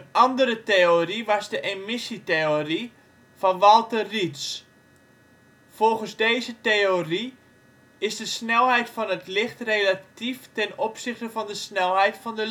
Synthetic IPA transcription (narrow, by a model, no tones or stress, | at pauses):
əɑndəɾəteoriʋɔzdəʔemɪsiteori | fɔnʋɔlˠtərits | folˠχənzdeːzəteori | ɪzdəsnɛlˠɦɛjtfɔnətlɪxtrelatiftɛnopsɪχtəvɔndəsnɛlˠɦɛjtfɔndə